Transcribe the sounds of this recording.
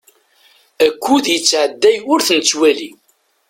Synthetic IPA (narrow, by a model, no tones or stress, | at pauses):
ækʷːuðjət͡sːʕəd̪ːæjʊɾθnət͡sːwæli